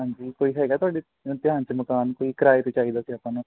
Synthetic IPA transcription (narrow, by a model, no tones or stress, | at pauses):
ɦãɲd͡ʒiːkoːiɦɛːɡat̪ʰʊaːɽi | t̪ɪɦãːɲt͡ʃiməkaːnkoːikɾaːjt̪et͡ʃaːid̪aseapãn